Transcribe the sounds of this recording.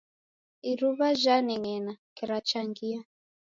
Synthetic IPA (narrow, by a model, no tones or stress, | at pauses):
iɾuβaʒaniŋɛnakɛɾat͡ʃaŋɡia